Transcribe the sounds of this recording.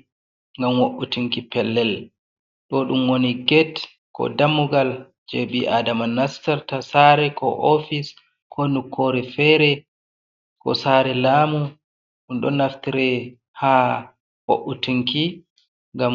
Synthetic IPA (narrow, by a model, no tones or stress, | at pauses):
ŋɡamwoʔːutiŋkipɛlːɛl | ɗɔɗumwoniɡɛt | kɔ̰damːuɡal | d͡ʒeɓiʔadamanːastaɾtasaɾɛkɔ̰ʔofis | kʰɔnukʰːoɾɛfɛɾɛ | kɔ̰saɾɛlaːmu | ɗunɗɔ̰nːaftiɾɛ | ha | wo̰ʔːutiŋki | ŋɡam